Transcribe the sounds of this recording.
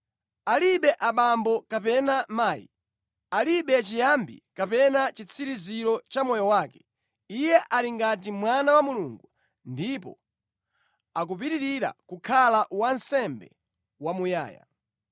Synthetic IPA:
aliɓɛʔaɓambɔkapɛnamaːjḭ | aliɓɛt͡ʃijambḭkapɛnat͡ʃit͡sʰiɾiziɾɔt͡ʃamɔjɔwaːkɛ̥ | ijɛʔaliŋɡat̬imwanawamuluːŋɡu | ndipɔ̰ | ak̬up̬itiɾiɾa̰kukʰalaʔwansɛmbɛ̰ | wamuja̰ːja̰

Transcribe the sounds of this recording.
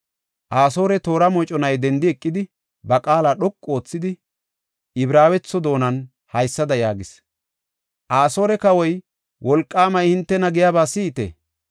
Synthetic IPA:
ʔaːso̞ːɾɛt̪o̞ːɾɐmɔt͡ʃʼɔnɐjd̪ɛnd̪ɪɛkʼːɪd̪ɪ | bɐkʼaːlaɗɔkʼːo̞ːt͡sːɪd̪ɪ | ɪbɾaːwɛt͡sːɔd̪o̞ːnɐn | hɐjsːɐd̪ɐjaːɡɪs | ʔaːso̞ːɾɛkɐwɔj | wʔɔlkʼːaːmɐjhɪnt̪ːɛnɐɡɪjabaːsiːt̪ḛ

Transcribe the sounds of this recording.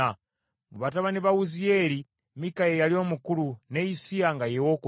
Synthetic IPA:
a | ŋɡuβataβaniβawuzijeɾi | mikajejalio̞ːmukulunejisijaŋɡajewoku

